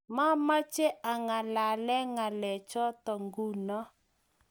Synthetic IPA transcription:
ma˦ma˦t͡ʃe˦a˨ŋa˨la˨lɛ˦ŋa˨lɛ˨t͡ʃɔ˦tɔ˨ŋɡu˦˨nɔ˦

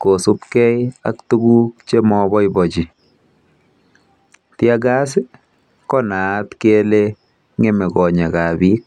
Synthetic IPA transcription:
ko˨su˦pkɛ˦ja̰˦ktu˦ɡu˦k̚t͡ʃe˦mɔbɔ˦jbɔ˨d͡ʒi˨ | tja˦ɡa˦sɪ˦ | kɔ˦na˨˦tke˦le | ŋe˦me˨kɔ˨ɲɛ˨ka˨bi˦k̚

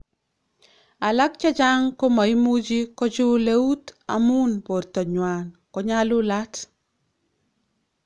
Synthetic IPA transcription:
a˨la˦k̚t͡ʃa˦d͡ʒa˦ŋko˦ma˨i˦mu˦d͡ʒi˦kɔ˦t͡ʃu˦le˦u˦ta̰˨mu˦npo˨ɾto˨ɲwankɔ˦ɲalu˦lat

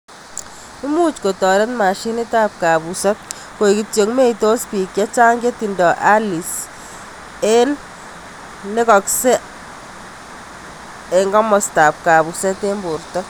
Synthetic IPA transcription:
i˦mu˦t͡ʃko˨tɔ˨ɾɛ˦tma˨ʃi˦ni˦ta˦p̚ka˨βu˨sɛ˦ | ko˨i˨ki˨tjo˨ŋme˦i˨to˦spi˨kja˦t͡ʃaː˦ŋɡe˦ti˨ndɔ˨ʔa˦li˨s | e˦l | ne˦kɔ˨ksɛ˦ | e˨ŋɡɔ˦mɔ˨sta˨p̚ka˨βu˨sɛ˦te˦mbo˨rtɔ˦

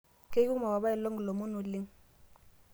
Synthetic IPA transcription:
ke˦ku˦ma˨ba˨βa˦ɛ˨lo˦ŋɡlo˨mu˦nu˨li˦ŋ

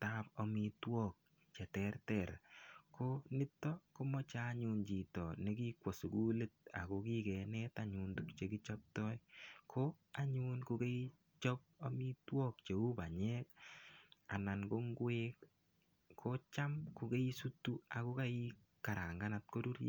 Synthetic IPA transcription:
ta˦po˨mi˧twɔ˦k̚ | t͡ʃɛ˨tɛrtɛ˨ɾkʰonɪ˦tːɔ˦ko˦mɔ˦t͡ʃa˦ɲu˧nt͡ʃi˨tɔ˨ne˦ki˦kwɔ˨su˨ɡu˦le˦t̚a̰˨ko˨ki˦kɛ˨nɛta˦ɲu˨ndu˦kt͡ʃe˨ɡi˦t͡ʃɔ˦p̚tɔ˦jkʰo˦a˦ɲu˦nko˧ke˦i | t͡ʃɔ˦p̚o˦mi˦twɔ˦k̚t͡ʃe˨u˦ba˨ɲɛ˦k̚ | a˨na˨nɡo˦ŋɡwe˦k | kʰo˦t͡ʃa˦mku˨ke˦i˦su˦tːu˦a˨ko˦ka˦i˦ | ka˨ɾa˨ŋɡa˦nat̚ko˦ɾu˦ɾ

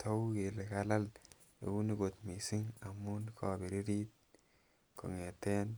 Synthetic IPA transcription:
tʰo˦wke˨le˨ka˦la˦l | ḛ˨u˦ni˦ko˨t̪mi˨si˦ŋa˨mu˦nkʰɔ˨bi˨ɾi˦ɾi˦t̪̚ | ko̰˨ŋe˨te˦n

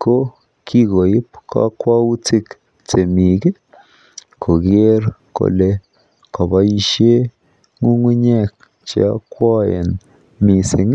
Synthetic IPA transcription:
ko˦ | kʰi˦ɡo˨ji˦pka̰˦kwa˦u˦t͡si˦k | t͡se˨mi˨ɡe˦ | kʰo˨ɡe˦ɾko̰˨le˦ | kɔ˨ba˦i˦˧ʃe˦ | ŋu˦ŋwi˦ɲɛ˦k | t͡ʃa̰˦kwɔ˦jḛ˨n | mi˨si˨ŋ˦

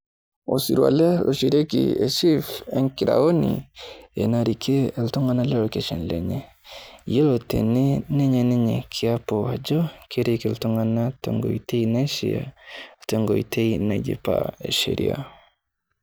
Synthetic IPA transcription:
o˨si˨ɾwa̰˨lɛ˦lʔo˨ʃi˨ɾe˦kḭe˨ʃi˦fɛ˦ŋki˨ɾa̰˨o˦nḭḛ˨na˨ɾi˨kʰe˦ltɔ˦ŋa˦na˦lɛ˦lo˨ke˨ʃɔ˨nlɛ̰˨ɲɛ | je˦lotḛ˨ne˦nɛ˦ɲɛ˨nɛ˦ɲɛ˨kʰi˨a˦pɔ˨a˨d͡ʒɔ˦kʰeɾe˦kiltɔ˦ŋa˦na˦tɛ̰˨ŋɡo̰˨i˨te˦ina˦ʃḭa̰˨tɛ˦ŋɡo˨i˨te˦ina˨d͡ʒḭ˨pa̰e˨ʃḛ˨ɾḭa̰˨

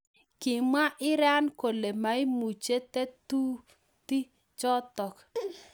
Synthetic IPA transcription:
kɪ˨ma˦ʔɪ˦ɾa˦nko˨le˨ma˨ɪ˦mu˨t͡ʃe˦tɛ˦tu˦ | ti˦ | t͡ʃɔ˦tɔ˨k

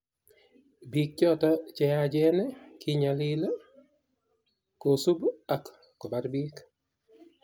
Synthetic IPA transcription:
bi˦k̚t͡ʃɔ˦ta˦t͡ʃɛad͡ʒɛ˦nɛ˦kɪɲalɪla˦ | ko˨su˦ba˨kː | ɔ˨ba˦ɾbi˦k

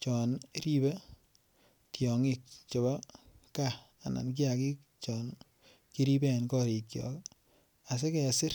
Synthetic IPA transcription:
t͡ʃɔ˨nɾi˦be˦ | tjɔ˨ŋɪ˨k̚t͡ʃɔ˨ba˦ka˦ | a˨na̰˨nk̬i˦a˨ki˦k̚ | t͡ʃɔn | ki˦ɾi˦be˦˨nkɔ˦ɾi˨kjɔ̰˨k | a˨s̬e˦kɛ˨sɪ˦r

